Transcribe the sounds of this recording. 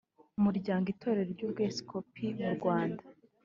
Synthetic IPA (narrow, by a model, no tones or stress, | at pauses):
umuɾɟaːŋɡitʰo̞ːɾe̞ɾoɾɟuːb̚ɡesi̥kʰopʰimuɾɡwaːndḁ